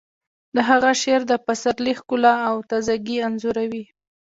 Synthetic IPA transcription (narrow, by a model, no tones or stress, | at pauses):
d̪əɦaɣaʃeɾd̪əpasaɾlixkʊlaːwt̪azaɡianzuɾawi